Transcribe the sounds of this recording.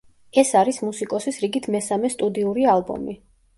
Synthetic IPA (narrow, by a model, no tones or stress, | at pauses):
ɛsaɾismusikʼɔsisɾiɡit̪ʰmɛsamɛst̪ʼud̪iuɾialˠbɔ̰mi